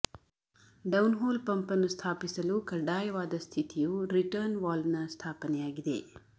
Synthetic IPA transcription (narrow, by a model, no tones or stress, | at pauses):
ɖɐwnɦoːlpɐmpɐnust̪ʰaːpisɐlukɐɖaːjʋaːd̪ɐst̪ʰit̪ʰijuɾiʈɐɾnʋaːlnɐst̪ʰaːpɐnjaːɡid̪ḛː